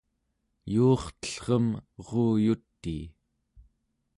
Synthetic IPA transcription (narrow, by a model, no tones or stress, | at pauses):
juːχt̪ə̥ɬʁəmʁoːjut̪ːi